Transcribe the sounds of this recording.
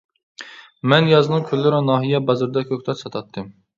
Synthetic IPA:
mɛnjɑzɨnɨŋkʲʰølːɪɾɪnɑːɦijɛbɑzɨɾd̪ɛkʲʰøkʲt̪ʰɛɾsɑt̪ʰɑt̪ʰːɨm

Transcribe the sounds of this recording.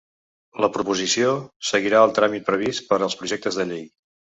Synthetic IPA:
ləpɾupuzisiosəɣiɾaəlˠt̪ɾamit̪̚pɾəβ̞ist̪pəɾəlˠspɾuʒɛk̚t̪əzðəʎej

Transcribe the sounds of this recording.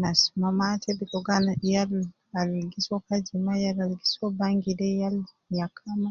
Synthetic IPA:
nasmamatɛbikɔɡanjal | alɡisɔkad͡ʒimajalalɡisɔbaŋɡidɛjal | jakʰama

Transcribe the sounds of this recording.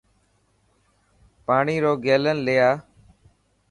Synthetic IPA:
paːɳiːɾoːɡeːlənlɪjaː

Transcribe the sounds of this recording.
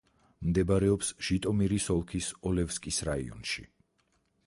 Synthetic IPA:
md̪ɛbaɾɛɔpsʒ̥it̪ʼɔmiɾisɔlˠkʰisɔlɛvskʼisɾaḭɔ̰nʃḭ

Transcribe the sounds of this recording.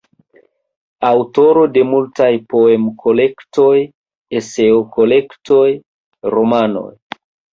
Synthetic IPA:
awto̞ɾo̞de̞multajpo̞e̞mkʰo̞le̞kto̞j | ese̞oko̞le̞kto̞j | ɾomano̞̰j

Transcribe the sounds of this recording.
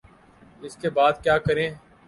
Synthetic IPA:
ɪskebaːd̪kjaːkəɾẽː

